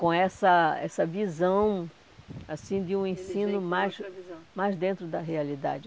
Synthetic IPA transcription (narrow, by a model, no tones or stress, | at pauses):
kõɛsɐɛsɐvizɐ̃w̃ | asĩd̪ɪũẽsĩnʊmajsmajzd̪ẽnt̪ɾʊd̪ɐɦealid̪a̰d͡ʒɪ